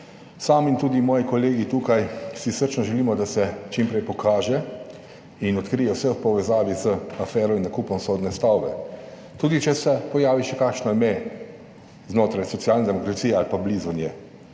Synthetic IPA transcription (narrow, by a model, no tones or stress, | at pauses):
saːmint̪uːd̪imɔːjikɔleːɡit̪uːkajsisəɾt͡ʃnɔʒɛliːmɔd̪asɛt͡ʃimpɾɛjpɔkʰaːʒɛ | inɔt̪kɾijɛwsɛwpɔʋɛzaːʋizəafɛːɾɔinːakuːpɔmsoːd̪nɛst̪awbɛ̰ | t̪uːd̪it͡ʃɛsɛpɔjaːʋiʃɛkakʃnɔimɛ | znoːt̪ɾajsɔt̪sjaːlnad̪ɛmɔkɾat̪sijɛalpablizɔnjɛ